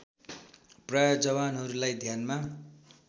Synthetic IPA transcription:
prajod͡zʌβanɦʌɾulajd̪ʱjanma

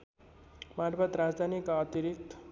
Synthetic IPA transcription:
maɾbat̪ɾad͡zd̪ʱanikaʌt̪iɾik̚t̪

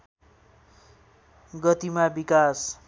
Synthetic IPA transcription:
ɡʌt̪imabikas

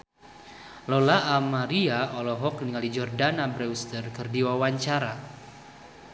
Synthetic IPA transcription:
lɔlaːmaɾiaɔlɔɦɔk̚niŋalid͡ʒɔrdanabɾɛust̪ərkɨrdiwawaɲt͡ʃaɾa

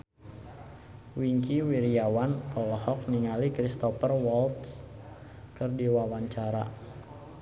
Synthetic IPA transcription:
wiŋkiwiɾiawankɔlɔhɔk̚niŋalikɾist̪ɔpərwɔlt̪s | kɨrdiwawaɲt͡ʃaɾa

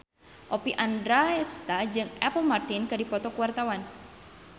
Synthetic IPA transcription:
ʔɔpiʔandɾaɛst̪ad͡ʒɨŋɛplmart̪inkadipɔt̪ɔkuwart̪awan

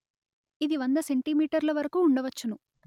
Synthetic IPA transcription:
id̪iʋɐnd̪ɐse̞ɳʈimiːʈɐɾlɐʋɐɾɐkuːɳɖɐʋɐt͡ʃːɐnu

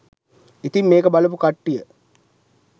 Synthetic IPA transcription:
it̪imːeːkəbalɐpukaʈːijə

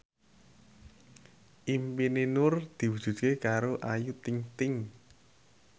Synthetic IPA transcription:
ʔimpinenʊrd̪̥i̤wu̥ʒ̥ṳt̪̚kekaɾoʔajut̪ɪŋt̪ɪŋ

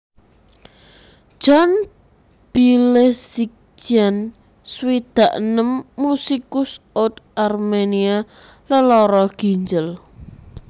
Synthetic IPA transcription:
d͡ʒ̥ɔn | b̥ilesik̚ | d͡ʒan | swid̪̥a̤ʔnəmːusikʊsot̪ʔarmenia | ləlɔɾɔɡ̥i̤ɲd͡ʒəl

